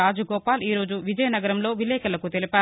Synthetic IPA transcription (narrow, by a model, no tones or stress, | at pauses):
aːd͡ʒɐɡɔːpaːliːɾo̞ːd͡ʒuʋid͡ʒɐjɐnɐɡɐɾɐmlo̞ːʋilɛːkɐlɐkut̪elipaː